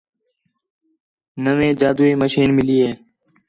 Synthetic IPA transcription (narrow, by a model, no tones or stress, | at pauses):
nəʋẽːd͡ʒaːd̪uːiːməʃiːnmɪliːeː